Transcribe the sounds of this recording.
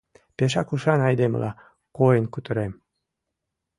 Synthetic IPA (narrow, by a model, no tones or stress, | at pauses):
peʃ̬ɑkuʃɑnɑjd̪em̰lʔɑ̰ | kojənkut̪ə̆ɾem